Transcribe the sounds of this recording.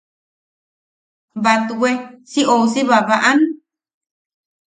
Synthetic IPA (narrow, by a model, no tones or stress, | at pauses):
βand̪ukwʷesiʔousiβaβaʔan